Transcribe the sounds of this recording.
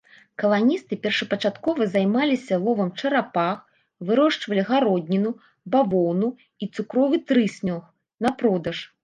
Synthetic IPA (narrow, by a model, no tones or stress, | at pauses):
kɐlˠanʲist̪ɨpʲɛrʂɐpɐt͡ʂat̪kɔvɐzajmalʲisʲɐlˠɔvɐmt͡ʂɐɾapax | vɨɾɔʂt͡ʂvɐlʲiɣaɾɔd̪ʲnʲinu | bavɔwnu | it̪sukɾɔvɨt̪ɾɨsʲnʲɔx | napɾɔd̪ɐʂ